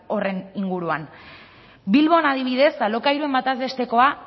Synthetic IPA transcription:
o̞re̞niŋɡuɾuan | bilβo̞naðiβ̞ið̞e̞salo̞kaiɾue̞mbat̪aze̞st̪e̞ko̞a

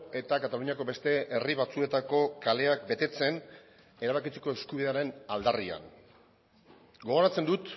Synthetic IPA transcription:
e̞t̪akat̪aluɲiako̞be̞st̪e̞ʔeriβ̞at͡sue̞t̪ako̞kale̞ak̚be̞t̪e̞t͡se̞n | e̞ɾaβakit͡seko̞e̞skuβiðe̞aɾe̞nald̪aria̰n | ɡo̞ɣ̞o̞ɾat͡se̞nd̪ut̪

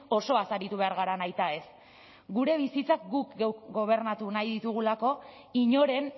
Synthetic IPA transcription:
o̞so̞asaɾit̪uβe̞aɾɣ̞aɾanajt̪ae̞s | ɡuɾe̞βisit͡sakɡukɡewɡo̞β̞e̞ɾnat̪unajðit̪uɣ̞ulako̞ | iɲo̞ɾe̞n

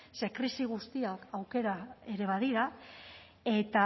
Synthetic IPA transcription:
se̞kɾisiɣ̞ust̪iakawke̞ɾae̞ɾe̞β̞að̞iɾa | e̞t̪a

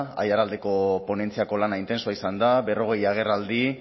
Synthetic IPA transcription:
a̰jaɾald̪e̞ko̞po̞ne̞nt͡siako̞lanaint̪e̞nsoaisand̪aβe̞ro̞ɣe̞jaɣ̞e̞rald̪i

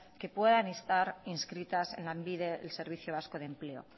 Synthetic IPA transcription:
ke̞pwe̞ðanest̪aɾinskɾit̪ase̞̰nlambiðeḛlse̞ɾβ̞iθjo̞β̞asko̞ðe̞mple̞o̞̰

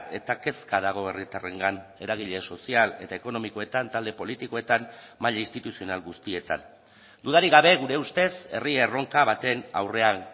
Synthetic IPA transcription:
e̞t̪ake̞skaðaɣ̞o̞e̞rit̪are̞ŋɡane̞ɾaɣ̞iʎe̞so̞siale̞t̪ae̞ko̞no̞miko̞e̞t̪ant̪ald̪e̞po̞lit̪iko̞e̞t̪am | maʎaist̪it̪usio̞nalɣust̪ie̞t̪a̰n | d̪uðaɾiɣ̞aβ̞e̞ɣuɾe̞ust̪e̞se̞riero̞ŋkaβat̪e̞na̰wre̞a

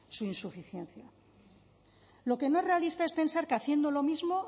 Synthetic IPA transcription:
suinsufiθjẽ̞nθja | lo̞ke̞no̞ere̞alist̪aespe̞nsaɾkeaθje̞nd̪olo̞mizmo̞

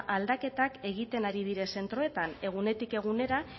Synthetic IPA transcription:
ʔald̪ake̞t̪ake̞ɣit̪e̞naɾið̞iɾe̞se̞nt̪ɾo̞e̞t̪ane̞ɣ̞une̞t̪ike̞ɣ̞une̞ɾa

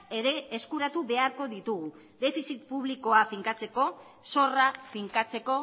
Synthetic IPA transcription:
e̞ɾe̞ːskuɾat̪uβe̞aɾko̞ðit̪uɣu | ðe̞fisit̪puβliko̞afiŋkat͡se̞ko̞ | so̞rafiŋkat͡se̞ko̞

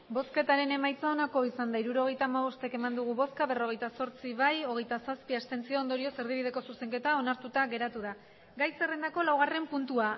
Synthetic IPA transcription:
bo̞ske̞t̪aɾe̞ne̞majt͡sao̞nako̞isand̪aiɾuɾo̞ɣ̞e̞jt̪aːmaβo̞st̪e̞ke̞mand̪uɣ̞uβo̞skaβero̞ɣ̞e̞jt̪aso̞ɾt͡siβajo̞ɣ̞e̞jt̪asaspiast̪e̞nt͡sio̞ːnd̪o̞ɾio̞se̞ɾðiβiðe̞ko̞suse̞ŋket̪ao̞naɾt̪ut̪aɣe̞ɾat̪uð̞a | ɡajse̞re̞nd̪ako̞lawɣ̞are̞mpunt̪ua

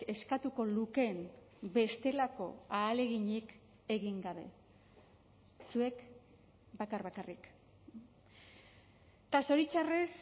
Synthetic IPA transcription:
e̞skat̪uko̞luke̞m | be̞st̪e̞lako̞̰aːle̞ɣiɲik | e̞ɣiŋɡaβ̞e̞̰ | sue̞k | bakarβakarik | t̪aso̞ɾit͡ʃares

